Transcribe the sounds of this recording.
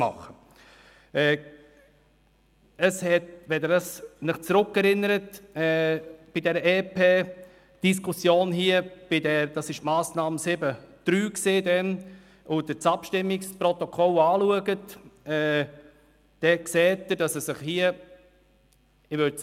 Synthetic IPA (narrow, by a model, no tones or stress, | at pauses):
mɑ̰χə | ɛː | əshɛtʋɛdədɑsnɪχt͡sɾʊkːɛɾɪnəɾətɛb̥idɛɾəʔeːpeː | d̥is̬kʰʊsjoːnɦiəb̥idɛɾd̥ɑsɪʃtmɑːsnɑːməsɪbəd̥ɾyːkseːdɛn | ʊd̪ət͡sɑpʃtɪmːɪkspɾɔt̪ɔkʰɔlɑːluəɡətɛː | d̥ɛkseːtːəd̥ɑsəsɪχhiːə | ɪvøɾ